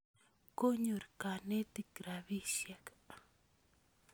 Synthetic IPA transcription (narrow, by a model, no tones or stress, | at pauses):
kʊɲuɾkanet̪ikɾaβiʃjaka